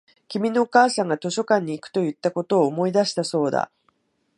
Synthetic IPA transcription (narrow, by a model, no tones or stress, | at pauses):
kʲimʲino̞ːkaːsãŋɡat̪o̞ɕo̞kãɲ̟ːiːkɯ̥t̪o̞jɯ̟t̪ːako̞t̪o̞ːmo̞id̪aɕi̥t̪aso̞ːd̪a̰